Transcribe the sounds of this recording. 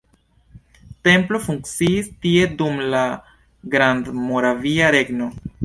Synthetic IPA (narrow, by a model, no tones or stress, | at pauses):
te̞mplo̞fuŋkt͡siːstie̞dumla | ɡɾandmo̞ɾaviaɾe̞ɡno̞